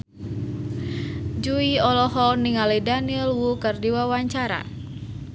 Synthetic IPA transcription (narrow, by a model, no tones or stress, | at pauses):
d͡ʒuiɔlɔɦɔniŋalidanilwukərdiwawaɲt͡ʃaɾa̰